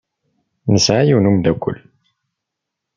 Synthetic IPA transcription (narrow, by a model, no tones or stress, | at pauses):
nəsʕajiwnumd̪ækʷːʊ̰lː